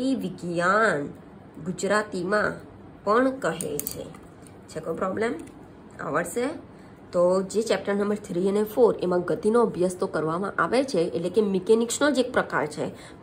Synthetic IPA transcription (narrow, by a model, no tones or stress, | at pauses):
iʋɪɡjan | ɡud͡ʒɾat̪imã | pəɳkəɦḛt͡ʃʰḛ | t͡ʃʰekõpɾɔblem | a̰ʋəɭʃe | t̪od͡ʒet͡ʃɛp̚ʈəɾnəmbəɾt̪ʰɾiənefoɾemãɡət̪inoəbjəst̪okəɾʋamã̰ʔaʋet͡ʃʰeʔːtlekemikeniksnod͡ʒek̚pɾəka̰ɾt͡ʃʰḛ